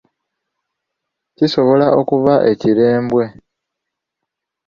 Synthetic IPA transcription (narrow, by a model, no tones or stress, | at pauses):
ciso̞βo̞laʔo̞kuβaʔe̞ciɾe̞ːmbwe̞